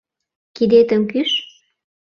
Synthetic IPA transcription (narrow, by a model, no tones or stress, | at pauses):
kid̪et̪ə̆mkyʃ